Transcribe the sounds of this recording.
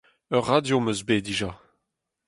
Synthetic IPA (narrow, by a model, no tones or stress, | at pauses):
œʁːadjomøzbediʒa